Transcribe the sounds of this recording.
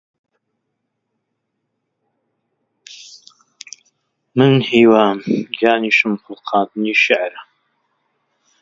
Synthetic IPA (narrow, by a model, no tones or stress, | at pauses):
mɨnhiːwaːmjaːniːʃɨmfʊlqʰɑːt̪ɨniːʃɪʕɾa